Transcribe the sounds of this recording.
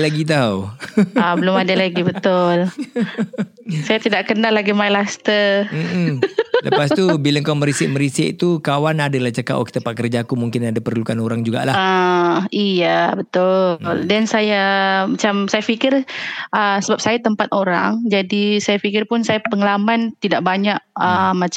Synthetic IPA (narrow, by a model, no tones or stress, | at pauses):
laɡit̪̬awabəlʊmadalaɡibət̪ʊl | sajat̪idaʔkənalːaɡimajlast̪ər̩m̩ləpast̪ubiləŋkawməɾisɪʔ̚məɾisɪʔt̪ukawanadalat͡ʃəka̰ʔa̰ki̥t̪apaʔkərd͡ʒaːkumuŋkɪnadapərlukanoɾaŋd͡ʒuɡa̰ʔlaaijabət̪ʊldɛnsajamat͡ʃamsajafikɪrʔəsəbap̚sajat̪əmpat̪̚oɾa̰ŋd͡ʒadisajafikɪrpʊnsajapəŋəlamant̪idaʔbaɲaʔ̚əmat͡ʃ